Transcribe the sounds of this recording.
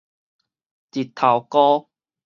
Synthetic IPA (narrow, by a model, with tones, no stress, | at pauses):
ti˨˩t̪ʰa˨˩wkɔ˦